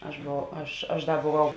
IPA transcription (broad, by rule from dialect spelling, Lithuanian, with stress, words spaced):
ɐʃ boːˈʋɐʊ ˈɐʃ ɐʃ ˈdɐ boːˈʋɐʊ